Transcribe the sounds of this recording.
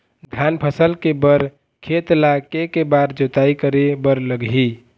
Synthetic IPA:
d̪ʱjanpʰəsəlkebəɾ | kʰet̪lakekebaɾd͡ʒot̪aikəɾebəɾləɡɦi

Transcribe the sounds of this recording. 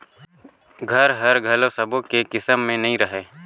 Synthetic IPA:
ɡʱɐɾɦɐɾɡʱɐlosɐbõkekɪsəmːẽnɐɦĩɾɐɦeː

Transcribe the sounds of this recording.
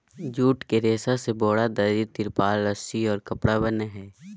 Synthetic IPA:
d͡ʒuːʈkeɾeːsaseboːɽad̪ɐɾit̪ɪɾpaːlːəsiɔːɾkɐpɽabəneɦɛː

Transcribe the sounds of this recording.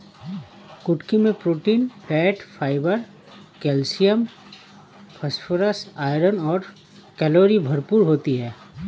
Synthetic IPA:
kʊʈkimẽpɾoːʈiːnfʰɛːʈfʰaːɪbəɾ | kɛːlsijəm | pʰɐsfʰoɾəsaːɪɾənɔːɾ | kɛloːɾibʱɐɾpuːɾɦoːt̪iɦɛː

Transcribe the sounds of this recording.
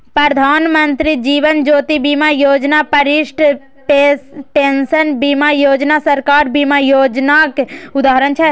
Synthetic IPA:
pɾɐd̪ʱaːnmənt̪ɾid͡ʒiːʋənd͡ʒoːt̪ibiːmajoːd͡ʒnapɐɾɪʃʈʰ | ʈesʈeːnsənbimajoːd͡ʒnasɐɾkaːɾbiːmajoːd͡ʒnakʊd̪aːɦɾənt͡ʃʰɛ

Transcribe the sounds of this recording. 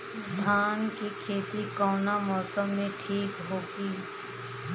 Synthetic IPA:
d̪ʱaːnkikʰeːt̪ikɔːnamɔːsəmːẽʈʰiːkɦoːɡiː

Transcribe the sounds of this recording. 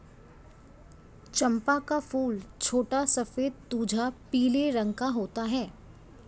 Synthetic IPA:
t͡ʃɐ̃mpakafuːlt͡ʃʰoːʈasɐfeːd̪̚t̪uːd͡ʒʱapiːleɾə̃ŋɡkaɦoːt̪aɦɛː

